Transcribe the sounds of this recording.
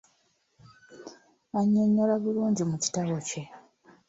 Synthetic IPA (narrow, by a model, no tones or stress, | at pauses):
aɲːoɲːolaβuluːɲɟimuci̥taβo̞ce̞